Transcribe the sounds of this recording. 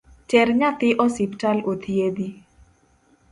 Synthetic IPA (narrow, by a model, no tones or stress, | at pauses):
t͡ʃɛrɲat̪ɪʔɔsiptalot̪ʰied̪i